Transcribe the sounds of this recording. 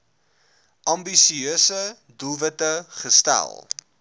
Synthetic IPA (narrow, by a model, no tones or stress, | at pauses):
ʔɐmbisiøːsə | duvətəχəstæ̰lˠ